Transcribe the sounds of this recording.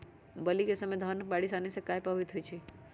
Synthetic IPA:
bəlikesəmed̪ʱənəbaɽisanisẽkajpəbit̪ɦojt͡ʃʰi

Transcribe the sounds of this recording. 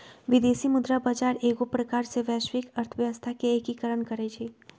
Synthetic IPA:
ʋɪd̪eːsimʊd̪ɾabad͡ʒaːɾeːɡopɾɐkaːɾseʋɛːʃʋɪkəɾt̪ʰəʋjəʋəst̪ʰakeeːkikəɾəɳkəɾet͡ʃʰeː

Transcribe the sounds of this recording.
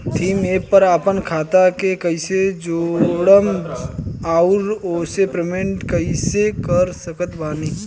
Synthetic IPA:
t̪ʰiːmeːpəɾaːpənkʰaːt̪akekəɪsed͡ʒoːɽəm | aːʊɾoːsepɾemẽɳʈkəɪsekəɾsəkət̪baːniː

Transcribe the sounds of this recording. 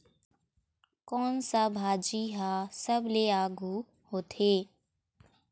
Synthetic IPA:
kɔːnsabʱaːd͡ʒiɦasəbleaːɡu | hoːt̪ʰeː

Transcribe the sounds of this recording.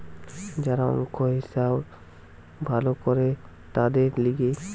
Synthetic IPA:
d͡ʒaɾaɔ̰ŋkʰoɦisab | bʱalokɔɾe | t̪ad̪eɾliɡe

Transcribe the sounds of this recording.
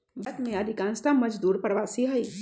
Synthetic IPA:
bɐt̪mẽad̪ʱɪkãːnst̪amɐd͡ʒd̪uːɾpəɾʋaːsiɦɐiː

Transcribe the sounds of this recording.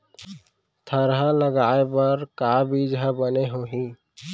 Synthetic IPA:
t̪ʰəɾɦə̃ləɡaːepəɾkabʱid͡ʒɦəbəneɦoɦĩː

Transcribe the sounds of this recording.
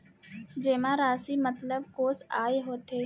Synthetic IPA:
d͡ʒeːmãɾaːsimət̪ləb̚koːsaːeɦoːt̪eː

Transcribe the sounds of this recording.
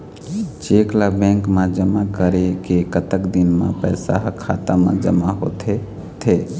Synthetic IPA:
t͡ʃeklabɛ̃ŋkmẽd͡ʒəmakəɾekekət̪əkd̪inmḛ̃pəjsa̰ɦkʰa̰t̪amã̰d͡ʒəmaɦot̪ʰe | t̪ʰe

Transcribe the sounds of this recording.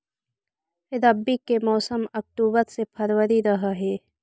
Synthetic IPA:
ɪɾəbːikemɔːsəmɐk̚ʈ̪uːbət̪sepʰəɾwəɾiɾɐɦaɦɛː

